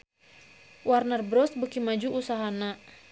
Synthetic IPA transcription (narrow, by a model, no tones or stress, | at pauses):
warnərbɾɔsbəkimad͡ʒuʔːsaɦana